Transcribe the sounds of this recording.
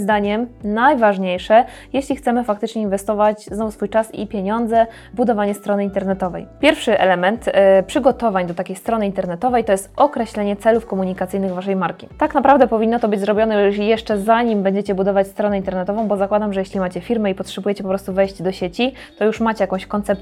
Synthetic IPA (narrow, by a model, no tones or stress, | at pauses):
zd̪aɲɛmnajvaʐɲejʂɛ | jeɕlʲixt̪sɛmɘfak̚t̪ɘt͡ʂɲɛinvɛst̪ɔvat͡ɕznɔvusfujt͡ʂasḭpʲjeɲɔnd̪zɛ | vbud̪ɔvaɲɛst̪ɾɔnɘint̪ɛɾnɛt̪ɔvɛ̰jpʲjɛɾfʂɘʔɛ̰lɛmɛnt̪pʂɘɡɔt̪ɔvaɲd̪ɔt̪akʲejst̪ɾɔnɘint̪ɛɾnɛt̪ɔvɛjt̪ɔjɛst̪ɔkɾɛɕlɛɲɛt̪sɛlufkɔmuɲikat̪sɘjnɘɣvaʂɛjmaɾkʲi̥t̪aknapɾavd̪ɛpɔvʲinːɔt̪ɔbɘd͡ʑʲzɾɔbʲjɔnɛjuʂjɛʂt͡ʂɛzaɲimbɛɲd͡ʑet͡ɕɛbud̪ɔvat͡ɕst̪ɾɔnɛint̪ɛɾnɛt̪ɔvɔ̃w̃bɔzakwad̪amʐɛjeɕlʲimat͡ɕɛfʲiɾmɛipɔtʂɛbujet͡ɕɛpɔpɾɔst̪uvɛjʑd͡ʑd̪ɔɕet͡ɕi | t̪ɔjuʂmat͡ɕɛjakɔ̃w̃ɕkɔnt̪sɛp̪